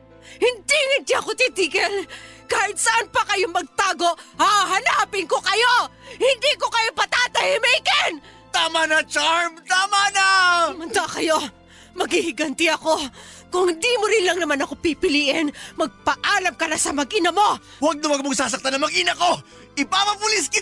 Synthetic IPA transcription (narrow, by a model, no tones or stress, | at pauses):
hɪnd̪iŋɪnt̪ɪɐko̞t̪ɪd̪iːkɛlkaːhɪt̪̚sɐʔanpɐkɐjomɐɡ̚t̪aːɡo̞ʔhaɦɐnaːpɪŋko̞kɐjohɪnd̪iko̞kɐjopɐt̪aːt̪ɐhɪmɛjkɛn | t̪aːmanɐt͡ʃaɹmt̪aːmanamɐnd̪aʔkɐjo̞ | mɐɡhihɪɡɐnt̪ɪɐko̞kʊŋhɪnd̪iːmoɾɪnlɐŋnɐmanɐko̞pipɪliːʔɪnmɐɡ̚pɐʔaːlɐmkɐnasɐmɐɡʔɪnɐmo̞ | wɐɡ̚nɐwɐɡ̚moŋsaːs̬ɐk̚t̪anːɐŋmɐɡʔinɐko̞ | ʔɪpapɐpʊlɪskɪ